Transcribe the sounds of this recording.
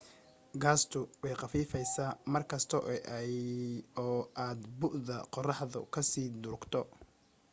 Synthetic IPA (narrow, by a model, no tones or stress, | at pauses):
ɡaːst̪ʰʊwɛjqɑfiːfɛjsaːmɐrkʰɐst̪ʰɔʔ | ɔːʔaːd̪bʊʔðɐqɔrɑħðʊ̰kʰɐsiːd̪ʊɾɡt̪ʰɔ